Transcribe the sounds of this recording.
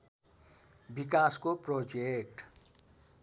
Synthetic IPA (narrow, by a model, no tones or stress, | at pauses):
bik̬askoprod͡zek̚ʈ